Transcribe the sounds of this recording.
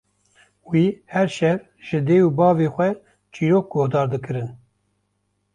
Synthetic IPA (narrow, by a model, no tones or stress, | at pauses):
wiːhɛɾʃɛɾ | ʒ̥ɨd̪eːuːbɑːveːxʷɛ | t͡ʃiːɾoːk̚ɡohd̪ɑːɾd̪ɨkɨɾɨn